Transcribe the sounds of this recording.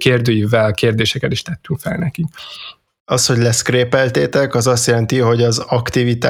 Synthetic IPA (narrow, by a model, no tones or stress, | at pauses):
keːrd̪øːjivɛlkeːrd̪eːʃɛkɛt̪iʃt̪ɛt̪ːyŋkfɛlnɛkik | ɒsho̞ɟlɛskreːpɛlt̪eːt̪ɛkɒzɒst̪jɛlɛnt̪iɦo̞ɟɒzɒkt̪ivit̪a̰ː